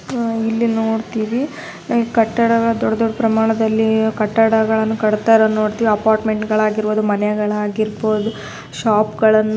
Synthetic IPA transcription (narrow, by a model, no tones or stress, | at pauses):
ilːinoːɖt̪iːʋi | naːŋɡekɐʈːɐɽɐɡɐɭɐd̪ɔɖːɐd̪ɔɖːɐpɾɐmaːɳɐd̪ɐlːikɐʈːɐɽɐɡɐɭɐnːukɐɽt̪aːjɾonːo̞ːɽt̪iːʋiɐpaːɾʈme̞ɳʈɡɐɭaːɡiɾʋoːd̪umɐnɛɡɐɭaːɡiɾboːd̪u | ʃaːpɡɐɭɐnːu